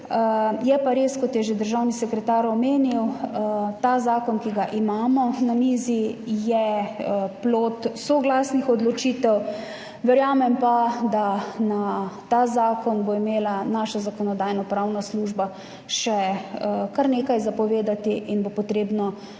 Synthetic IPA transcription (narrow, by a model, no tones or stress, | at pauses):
jɛpaɾeːskɔt̪jɛʒed̪əɾʒawnisɛkɾɛt̪aːɾɔmeːniw | t̪aːzaːkɔnkiɡaʔimaːmɔnaniːzijɛ | ploːt̪soɡlaːsnixɔd̪lɔt͡ʃiːt̪ɛw | ʋɛɾjaːmɛmpad̪anat̪aːzaːkɔnboimeːlanaːʃazakɔnɔd̪aːjnɔpɾawnasluːʒba | ʃɛ | kaɾneːkajzapɔʋeːd̪at̪iʔinbopɔt̪ɾeːbnɔ